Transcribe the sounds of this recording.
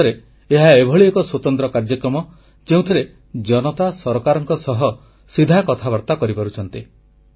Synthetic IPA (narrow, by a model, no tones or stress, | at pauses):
ɾe | eɦaebʱɔɭiekɔswot̪ɔnt̪ɾɔkaɾd͡ʒɔkɾɔmɔ | d͡ʒeũt̪ʰiɾe | d͡ʒɔnɔt̪asɔɾɔkaɾɔŋkɔsɔɦɔ | sid̪ʱakɔt̪ʰaβɔɾt̪akɔɾipɔɾut͡ʃʰɔnt̪i